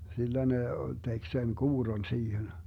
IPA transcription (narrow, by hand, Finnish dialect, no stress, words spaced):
silːæ ne tek sen kuːrːon siːhen